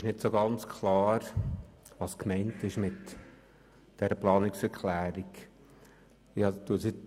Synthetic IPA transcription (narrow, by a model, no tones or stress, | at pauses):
ɪʃnɪtsoɡɑnt͡skʰlɑːɾ | ʋɑskmɛɪntɪʃmɪt | d̥ɛɾəplɑːnɪksɛɾkʰlæːɾik | ɪɑt̪uəsi